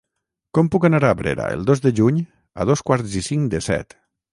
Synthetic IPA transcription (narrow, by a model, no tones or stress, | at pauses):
kɔmpukanaɾaβɾḛɾa̰ə̰lˠd̪ozðəʒuɲ | a̰ð̞oskwaɾzisiŋd̪əsɛ̰t̪